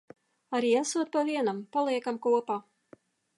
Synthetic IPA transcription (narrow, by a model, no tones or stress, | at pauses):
aɾiːasuɔt̪̚pavʲiɛnampalˠiɛkamkuɔpaː